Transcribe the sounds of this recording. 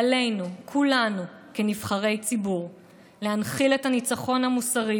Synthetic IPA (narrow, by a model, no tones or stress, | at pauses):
ale̞jnukʰulanu | kenivχaʁe̞jt͡sibuʁ | lehanχile̞thanit͡saχo̞nhamusaʁi